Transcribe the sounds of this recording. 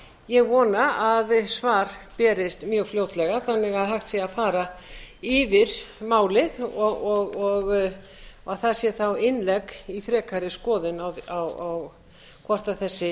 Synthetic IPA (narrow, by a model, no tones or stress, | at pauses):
jɛɣvɔːnaaðsvaːɾ̥pɛːɾɪst̪mjœːɣfljoːwt̪lɛɣaθanːɪɣaðɦaxt̪sjiaðfaːɾaɪvɪɾmaːwlɪðɔɔɣɔɣ | aɣθasjɛθawɪnlɛkifɾɛːkʰaɾɪskɔːðɪnawawaw | kʰvɔr̥t̪aθɛsːɪ